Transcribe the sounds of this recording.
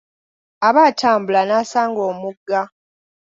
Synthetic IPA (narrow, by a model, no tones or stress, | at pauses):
aβaːtʰaːmbulanaːsaːŋɡo̞ːmuɡːa